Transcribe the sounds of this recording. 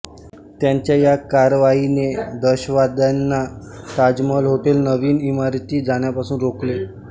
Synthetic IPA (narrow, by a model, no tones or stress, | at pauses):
t̪jaɲt͡ɕjajakaɾʋained̪əɕʋad̪anːa | k̪ad͡zməlɦoʈelnəʋiːnimaɾt̪iːd͡zaɳ̃japasuːnɾokle